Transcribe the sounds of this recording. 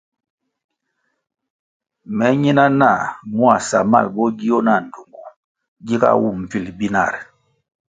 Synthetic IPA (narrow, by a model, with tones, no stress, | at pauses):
mɛ˨˦ɲi˦na˦na˦˨mu˦a˦˨sa˨ma̰˦˨lbɔ˦ɡi˦jɔ˦na˨n˨du˨ŋɡu˨ | ɡi˦ka̰˦wu˦˨m̩˨pi˨lbi˦na̰˦˨ɾ